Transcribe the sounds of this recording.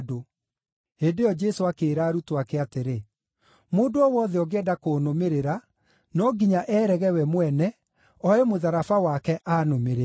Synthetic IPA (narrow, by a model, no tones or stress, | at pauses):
do | heːndeɔd͡ʒɛsoakeːɾaːɾutoakɛateɾe | moːndoɔwɔðɛɔɣeɛdakonomeɾeɾa | nɔɡiɲaʔɛːɾɛɣɛwɛmwɛnɛ | ɔɛmoðaɾafawakɛʔaːnomeɾe